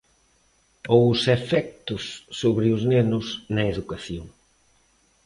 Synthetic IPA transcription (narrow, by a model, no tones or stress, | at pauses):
owsefɛk̚t̪ʊsːoβɾɪʊznenʊsnɐeðukaθjoŋ